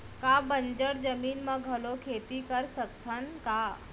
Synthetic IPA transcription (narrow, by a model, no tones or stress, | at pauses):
kabəɲd͡ʑəɽd͡zəmiːnmaɡʱəlokʰet̪ikəɾsək̚t̪ʰanka